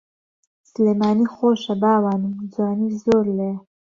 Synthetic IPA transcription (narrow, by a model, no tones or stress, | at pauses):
slemɑːniχoːʃabaːwaːnimd͡zwɑːnizoːɾleja